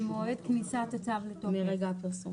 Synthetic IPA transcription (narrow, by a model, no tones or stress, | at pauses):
moed̪knisat̪at͡savletomeʁeɡaapiʁsu